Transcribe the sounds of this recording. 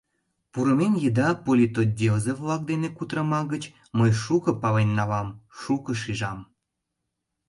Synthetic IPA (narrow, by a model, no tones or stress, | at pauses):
puɾəmenjed̪ɑpolʲit̪odʲeozevlɑk̚d̪enekut̪ɾəmɑɣət͡ɕ | məjʃukəpɑβenːɑβɑmʃukəʃiʒɑm